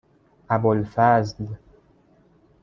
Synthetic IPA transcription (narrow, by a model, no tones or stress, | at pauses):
abolfazl